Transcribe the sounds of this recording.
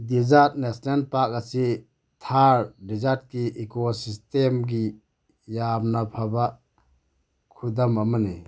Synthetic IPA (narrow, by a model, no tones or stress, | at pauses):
dizat̚nesnenpak̚asi | tʰaɾdizat̚kiekosistemɡi | jamnapʰaba | kʰud̪amamani